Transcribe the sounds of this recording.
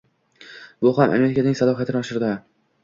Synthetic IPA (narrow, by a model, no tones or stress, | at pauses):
bʊɦamʔa̰me̞ɾɪkʲʰanɪŋʲsalɒɦat̪ʰɪnɪɒʃɪɾd̪ɪ